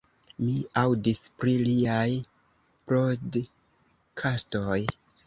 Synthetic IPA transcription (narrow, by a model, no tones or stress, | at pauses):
liawdispɾiliaj | pɾod | kʰastoj